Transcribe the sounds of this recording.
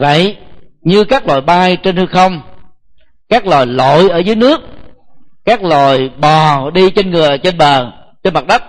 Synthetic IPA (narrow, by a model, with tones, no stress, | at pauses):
və̰˧˨jɲɨ˧kaː˦˥k̚lo̰˧˨jɓaː˧jt͡ɕe˧nhɨ˧xə˧wŋ͡m | kaː˦˥k̚lo˨˩jlo̰˧˨jʔəː˧˩zəː˨˦jnɨ˦˥ək̚kaː˦˥k̚lo̰˧˨jɓɔ˨˩ɗi˧t͡ɕe˧nŋɨ˨˩ə˨˩t͡ɕe˧nɓəː˨˩nt͡ɕe˧nma˨˩t̚ɗə˦˥k͡p̚